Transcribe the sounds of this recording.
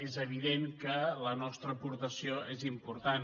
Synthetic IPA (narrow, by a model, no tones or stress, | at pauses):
ezəβ̞iðeŋkələnɔst̪ɾəpuɾt̪əsioezimpuɾt̪an